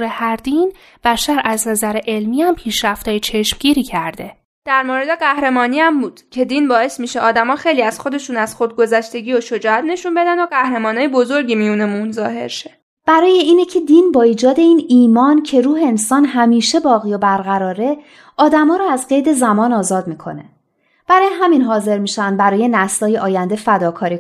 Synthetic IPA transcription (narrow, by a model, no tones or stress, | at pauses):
ɾehæɾd̪iːn | b̥æʃæɾʔæznæzæɾeʔe̞lmiːæmpʰiːʃɾæft̪ɒːjet͡ʃʰe̞ʃmɟiːɾiːcʰæɾd̪e̞ | d̪̥æɾmoɾed̪e̞ɢæhɾe̞mɒːniæmbuːd̪̥cʰe̞d̪inbɒːe̞smiʃeʔɒːd̪æmɒːxe̞jliæz̥xo̞d̪e̞ʃuːnæz̥xod̪̚ɡo̞zæʃt̪e̞ɟiːoʃo̞d͡ʒɒːhæt̪ʰne̞ʃunbe̞d̪ænd̪oɢæhɾe̞mɒːnɒːjebo̞zo̞ɾɟimijunemunzɒːɦe̞̰ɾʃe | b̥æɾɒːje̞iːnecʰe̞d̪inbɒːiːd͡ʒɒːd̪e̞iːniːmɒːncʰe̞ɾuːɦeːnsɒːnɦæmiːʃe̞bɒːɣiːjobæɾɣæɾɒːɾe̞ | ʔɒːd̪æmɒːɾɔæzɢe̞jd̪e̞zæmɒːnɒːzɒːd̪miːkʰo̞̰ne̞ | b̥æɾɒːjeɦæminɦɒːze̞ɾmiːʃænd̪̚bæɾɒːje̞næslɒːjeʔɒːjænd̪e̞fæd̪ɒːkʰɒːɾiː